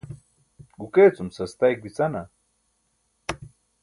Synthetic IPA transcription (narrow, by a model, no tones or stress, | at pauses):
ɡʊket͡sʊmsast̪ajkwit͡sana